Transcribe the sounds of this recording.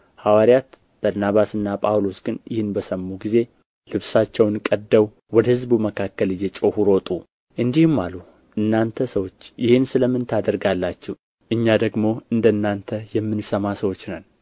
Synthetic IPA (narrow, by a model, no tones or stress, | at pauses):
hawaɾijat̪ | b̥əɾnaβasɨnːapʼawlo̞sɡɨnjɪhɨnbəsəmːuɡize̞ | lɨβsat͡ʃːɛwnkʼəd̪ːəw | wɔd̪əhɨzbuməkʰakːəlɨjɛt͡ʃʼohuɾo̞t̪ʼu | ʔɨnd̪ihumːalu | ʔɨnːant̪ʰəsəwo̞t͡ʃːjɪhɪnsɨləmːɨnt̪ʰad̪əɾɡalːat͡ʃːɛ | ʔɨɲːad̪əɡmo̞ɨnd̪əɨnːant̪ʰəjɛmːɨnsəmasəwo̞t͡ʃːnən